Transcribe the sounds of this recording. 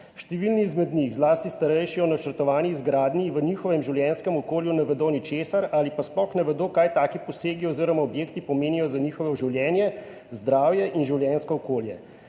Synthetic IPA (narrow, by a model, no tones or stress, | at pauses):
ʃt̪ɛʋilniːzmɛd̪nixzlaːst̪ist̪aɾɛjʃiɔnat͡ʃəɾt̪ɔʋaːniːzɡɾaːd̪niʋəniːxɔʋɛmʒiwljɛnskɛmɔkoːljunɛʋɛd̪onit͡ʃeːsaɾalipasplɔxnɛʋɛd̪oːkaːjt̪aːkipɔseːɡiɔːziɾɔmaɔbjeːkt̪ipɔmeːnijɔzaniːxɔʋɛʒiwljɛːnjɛ | zd̪ɾaːwjɛʔinʒiwljɛnskɔːkoːljɛ